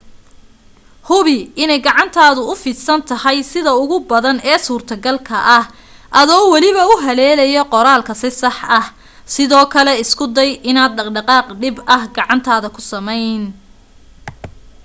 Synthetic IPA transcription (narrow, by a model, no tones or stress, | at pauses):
hʊβɪɪnɛjɡɑʕɑnt̪ʰaːðʊʊfiːd̪sɐnt̪ʰɐhɐjsɪðɐʊɣʊbɐðɐnɛːsuːrt̪ʰɐɡɐlkʰɐʔɐh | ʔɐðɔːwɑlɪβɐʊɦɐlɛːlɐjɔqɔɾaːlkʰɐsɪsɑħʔɐh | sɪðɔːkʰɐlɛɪskʰʊd̪ɛjɪnaːd̪ɖɐɖɐqɑːqɖɪbɐhɡɑʕɑnt̪ʰaːðɐkʰʊsɐmɛjn